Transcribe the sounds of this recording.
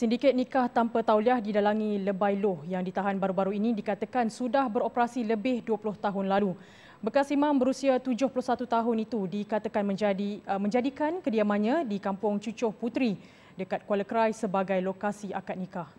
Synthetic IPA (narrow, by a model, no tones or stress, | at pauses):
sindikɪt̪̚nikaht̪ampat̪awliahdidalaŋĩləbajlʊhjaŋdit̪aɦanbaɾubaɾuinĩdikat̪əkansudahbəɾopəɾasiləbɪhduəpulʊht̪aɦʊnlalu | bəkasimãmbəɾusiat̪ud͡ʒʊhpulʊhsat̪ut̪aɦʊnit̪udikat̪əkanmə̃dimə̃ɲd͡ʒadikankədiamãɲãdikampʊŋt͡ʃut͡ʃʊhput̪ɾi | dəkat̪̚kwaləkɾajsəbaɡajlokasiʔakat̪̚nikah